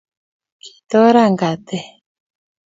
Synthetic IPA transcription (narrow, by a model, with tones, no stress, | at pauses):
kʰi̥˨t̪ɔ˦ɾa˦˨ŋɡa˨t̪ɛ˨